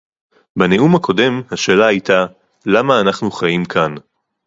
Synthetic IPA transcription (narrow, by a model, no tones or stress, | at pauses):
beneumhakʰo̞de̞mhaʃe̞ːlahajta | lamaːnaχnuχajimkʰan